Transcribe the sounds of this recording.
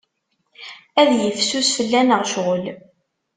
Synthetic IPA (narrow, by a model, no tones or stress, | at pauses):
æðjəfsusfəlːænəʁʃʁəl